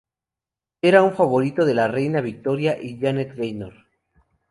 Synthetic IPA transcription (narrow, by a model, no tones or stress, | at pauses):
e̞ɾauɱfaβo̞ɾit̪o̞ðe̞larejnaβik̚t̪o̞ɾjaʔiʝanet̪ɣejnoɾ